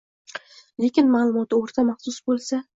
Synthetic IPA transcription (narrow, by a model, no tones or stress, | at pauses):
le̞kʲɪnmalˠʊmɒt̪ʰɪoɾt̪ʰamaχsʊsbolˠsa